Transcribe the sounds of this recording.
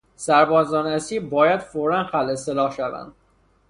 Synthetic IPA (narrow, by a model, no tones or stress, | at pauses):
sæɾbɒːzɒːnæsiːbɒːjæd̪foɾænxælʔe̞selɒːhʃævæ̰nd̪̥